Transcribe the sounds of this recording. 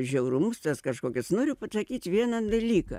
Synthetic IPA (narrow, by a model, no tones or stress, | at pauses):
ʒʲɛʊɾʊmʊst̪ɐskɐʃkoːkʲɪsnoːɾʲʊpɐsɐkʲiːt̪ʲʋʲiɛnɐd̪ɐlʲiːkɐ̰